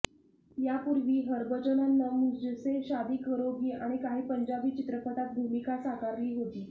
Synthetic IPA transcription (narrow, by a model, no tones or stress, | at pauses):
japuɾʋiːɦəɾbəd͡ʑonanːəmud͡ʑəseɕad̪iːkəɾoɡiːʔaɽ̃ikaɦiːpəɲd͡ʑabiːt͡ɕit̪ɾəpət̪at̪̚bʱumikasakaɾliːɦot̪iː